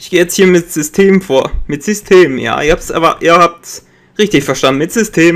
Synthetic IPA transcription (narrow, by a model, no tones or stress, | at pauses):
ʔɪçɡ̥eːjɛt͡sthiːɐmɪtz̥ʏstʰeːmfoːɐmɪtz̥ʏstʰeːmj̰a̰ːɪɐhaːpsɛɐ̰va̰ʔḭːɐhaːp̚ts | ʁɪçtɪçfɛɐʃtandn̩mɪtz̥ʏstʰeːm